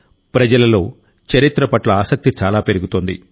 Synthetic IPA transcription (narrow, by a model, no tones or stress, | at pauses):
pɾɐd͡ʒɐlɐlo̞ː | t͡ʃɐɾit̪ɾɐpɐʈlɐaːsɐk̚t̪it͡ʃaːlaːpeɾuɡut̪ond̪ḭ